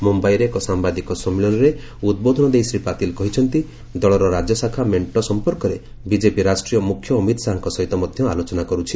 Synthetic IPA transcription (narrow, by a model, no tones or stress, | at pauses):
mumbajɾeːkɔsambad̪ikɔsɔmiɭɔnɔɾe | ud̪̚bod̪ʱɔnɔd̪ejsɾipat̪ilkɔɦit͡ʃʰɔnt̪i | d̪ɔɭɔɾɔɾad͡ʒɔsakʰameɳʈɔsɔmpɔɾkɔɾe | bid͡ʒepiɾasʈɾijɔmukʰːjɔːmit̪ɔsaɦɔ̃ŋkɔsɔɦit̪ɔmɔd̪ʱjɔalot͡ʃɔnakɔɾut͡ʃʰi